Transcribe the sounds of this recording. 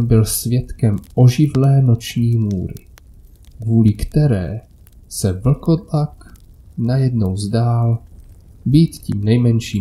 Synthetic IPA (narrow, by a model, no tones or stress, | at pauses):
bɪlsvjɛt̪kɛmʔo̞ʒɪvlɛːno̞t͡ʃɲiːmuːɾɪ̰ | kvuːlɪkt̪ɛɾɛ̰ː | sɛvl̩ko̞dlaknajɛdnowzdaːl | biːt̪cḭːmnɛjmɛnʃiː